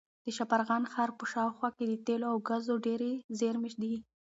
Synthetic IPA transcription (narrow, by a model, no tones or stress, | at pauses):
d̪̥əʃapaɾɣɑnxɑɾpəʃɑwxwɑked̪ət̪eloawɡazoɖeɾezeɾmɪʃd̪i